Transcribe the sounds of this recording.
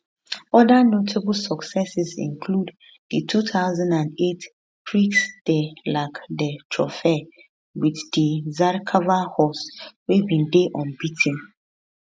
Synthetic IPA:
ɔdanotʰabl̩sɔksɛsizḭ̃ŋkʰlud | dətʰutaʊzãndãnet | pʰɹiksd̥elaɪkdətʰɹɔ̰fɛ | widdizaɾkʰavahɔswebĩndeʔɔ̃nbitʰĩn

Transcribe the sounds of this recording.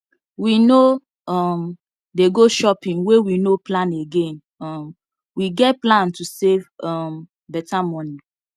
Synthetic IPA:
wino | ɔm | deɡoʃɔpĩnwewinoplãneɡẽn | ɔm | wiɡɛt̚plãntʰusevɔm | bɛtamɔni

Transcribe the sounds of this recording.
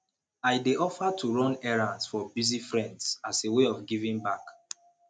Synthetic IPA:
ajdeɔfatʰuɹɔ̃nɛɹãnsfɔbizifɹɛ̃ndzaseweɔfɡivĩŋbak

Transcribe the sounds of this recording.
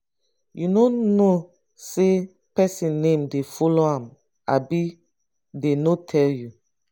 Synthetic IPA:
junono | se | pɛsĩnnːẽmdefɔloãm | abi | denotʰɛlju

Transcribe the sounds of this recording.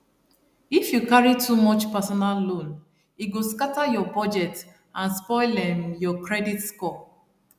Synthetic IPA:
ifjukaɹitʰumɔt͡ʃpɛsɔnalːõn | iɡoskatajɔbɔd͡ʒɛt | ãnspɔɪlɛ̃mjɔkɹɛditskɔ

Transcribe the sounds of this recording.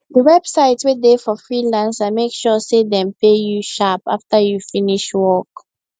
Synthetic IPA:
dəwɛb̥saɪtwedefɔfɹilãnsamekʃɔsedɛ̃mpejuʃapa̰ftəjufĩniʃwɔk

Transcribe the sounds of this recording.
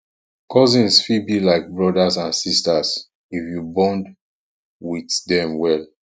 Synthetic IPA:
kɔzĩnsfibilaɪk̚bɹɔdasãnsistas | ifjubɔ̃nd | wiθdɛ̃mwɛl

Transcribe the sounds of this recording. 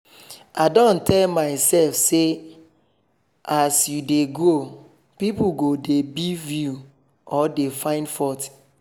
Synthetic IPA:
aɪdɔ̃ntɛlmaɪsɛlfse | asjudeɡo | pipuɡodebivju | ɔdefãɪ̃ndfɔt

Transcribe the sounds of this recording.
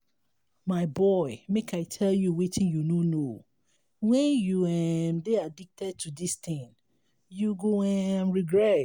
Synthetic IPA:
maɪbɔɪmekʰaɪtʰɛljuwitʰĩnjunõno | wɛ̃njuɛmdeadik̚tʰɛd̚tʰudist̪ɪ̃ŋ | juɡoɛmɹiɡɹɛt

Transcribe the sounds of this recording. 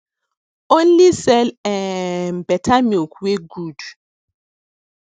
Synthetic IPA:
õnlisɛlɛnbɛtʰamukweɡud

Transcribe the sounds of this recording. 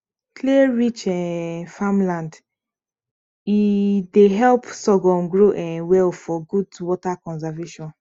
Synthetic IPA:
kʰleɹit͡ʃɛfamlãnd | ideɦɛlpsɔɡɔ̃nɡɹoʔɛ̃nwɛlfɔɡudwɔtakɔ̃nzaveʃɔ̃n

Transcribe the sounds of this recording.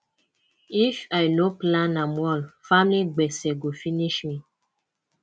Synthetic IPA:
ifajnoplãnamwɔlfamliɡ͡bɛsɛɡofiniʃmi

